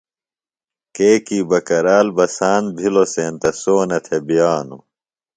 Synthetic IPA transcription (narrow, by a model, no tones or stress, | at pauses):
keːkiːbɐkɐɾaːlbɐsaːnbʱiloseːnt̪ɐsoːnɐt̪ʰebijaːnu